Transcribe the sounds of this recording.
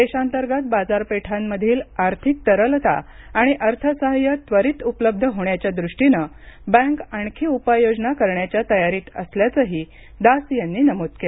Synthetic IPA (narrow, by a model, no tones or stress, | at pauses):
d̪eɕant̪əɾɡat̪̚bad͡zaɾpeʈʰamːəd̪ʱiːlaɾt̪ʰik̚t̪əɾəlt̪a̰ | aɽ̃iʔəɾt̪ʰəsəɦəjət̪ʋəɾiːt̪upləb̚d̪ʱəɦoɳjat͡ɕjad̪ɾuʂʈinə | bə̃ŋkaɳkʰiːupajod͡znakəɾɳjat͡ɕjat̪əjaɾiːt̪ə̰sljat͡səɦiː | d̪asjanːiːnəmot̪kele